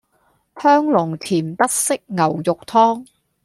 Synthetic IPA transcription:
hœː˥ŋlʊ˨˩ŋt̪ʰiː˨˩mt̪ɐ˥t̚sɪ˥k̚ŋɐ˨˩wjʊ˨k̚t̪ʰɔː˥ŋ

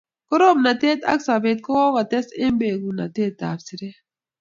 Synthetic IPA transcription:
ko˦ɾo˦mna˨t̪e˦t̪a̰˦ksa˨be˨t̪̚ko˦o˦ɣa˨t̪e˦se˦mbeː˨ɡu˨na̰˨t̪eː˦t̪ːa̰ː˨bsi˨ɾe˦

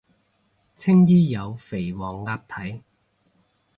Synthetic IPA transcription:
t͡sʰɪ˥ŋjiː˥jɐ˨˧wfe˨˩jwɔː˨˩ŋːaː˧p̚t̪ʰɐ˨˥j

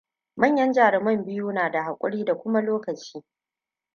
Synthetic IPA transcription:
mɐ˦˨ɲjɐ˦nd͡ʒaː˨ɾɪ˨mɐ˦˨mbɪ˦juː˦naː˨da˨ha˨kʷʼʊ̰˦ɽiː˦da˨kʷʊ˦ma˦loː˦kɐ˨t͡ʃiː˦

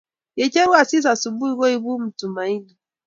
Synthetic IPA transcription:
je˨t͡ʃɛ˦wa˦˨si˦s̬a˨su˨bu˦i˦ɣɔ˦i˦βu˦m̩˨tu˨ma˨i˦du˨

